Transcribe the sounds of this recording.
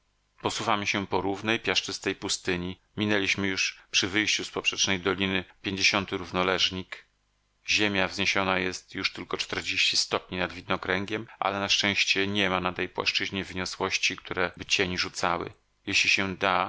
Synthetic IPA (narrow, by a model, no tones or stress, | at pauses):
pɔsuvamɘɕɛpɔɾuvnɛjpʲjaʂt͡ʂɘst̪ɛjpust̪ɘɲi | mʲinɛlʲiɕmɘjuʂpʂɘvɘjɕt͡ɕuspɔpʂɛt͡ʂnɛjd̪ɔlʲinɘpʲjeɲd͡ʑeɕɔnt̪ɘɾuvnɔlɛʐɲik | ʑemʲjavzɲeɕɔnajɛst̪juʂt̪ɘlkɔt͡ʂt̪ɛɾd͡ʑeɕt͡ɕist̪ɔpɲinad̪vʲid̪nɔkɾɛŋɡʲjɛmʔa̰lɛnaʂt͡ʂɛ̃w̃ɕt͡ɕɛɲɛmanat̪ɛjpwa̰ʂt͡ʂɘʑɲɛvɘɲɔswɔɕt͡ɕikt̪ʰuɾɛbɘt͡ɕeɲiʐut̪sawɘ̰ | jeɕlʲiɕɛd̪a